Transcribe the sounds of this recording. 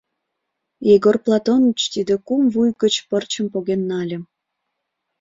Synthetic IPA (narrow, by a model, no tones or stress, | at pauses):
iɡorplˠɑt̪onət͡ɕt̪id̪ekumvujɣət͡ɕpərt͡ɕəmpoɣenːɑlʲə̆m